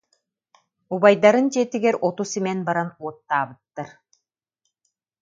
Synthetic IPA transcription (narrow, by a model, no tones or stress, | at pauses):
ubajd̪aɾɯnt͡ɕiɛt̪iɡɛɾɔt̪usimɛnbaɾanuɔt̪ːaːbɯt̪ːaɾ